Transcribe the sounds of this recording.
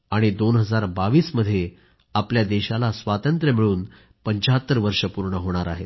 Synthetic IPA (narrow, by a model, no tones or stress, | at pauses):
aɽ̃id̪onɦəd͡zaɾbaʋiːsməd̪ʱːje | apljad̪eɕalasʋat̪ənt̪ɾəmiɭuːn | pəɲt͡ɕaɦət̪ːəɾʋəɾʂəpuɾɳəɦoɽ̃aɾaɦet̪